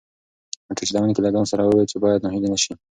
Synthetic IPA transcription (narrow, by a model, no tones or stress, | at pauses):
əʈ͡ʂet͡ʃlawanikelaɡɑnsaɾawəwet͡ʃebɑjad̪noɦilenaʃi